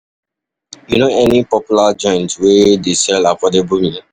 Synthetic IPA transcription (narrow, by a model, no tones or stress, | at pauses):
junoɛnipɔpjulad͡ʒɔ̃ɪ̃ntwedesɛlafɔdebumĩ